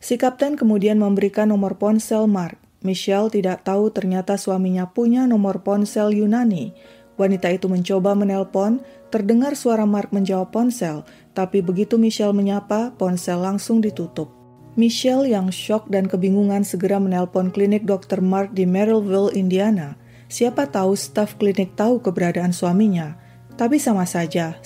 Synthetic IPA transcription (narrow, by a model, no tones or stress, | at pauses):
sikap̚t̪ɛnkəmudianməmbəɾikanːɔmɔrpɔnsɛlmark̚miʃɛlt̪idaʔt̪aut̪ərɲat̪asuwamiɲapuɲanɔmɔrpɔnsɛljunani | wanit̪ait̪uməɲt͡ʃobamənɛlpɔn | t̪ərdəŋarsuaɾamark̚məɲd͡ʒawapːɔnsɛl | t̪apibəɡit̪umiʃɛlməɲapapɔnsɛlːaŋsʊŋdit̪ut̪ʊp̚ | miʃɛljaŋʃɔk̚dankəbiŋuŋansəɡəɾamənɛlpɔnklinɪk̚dɔk̚t̪ərmark̚dimɛɾilvilindiana | siapat̪aust̪afklinɪk̚t̪aukəbəɾadaːnsuamiɲa | t̪apisamasad͡ʒa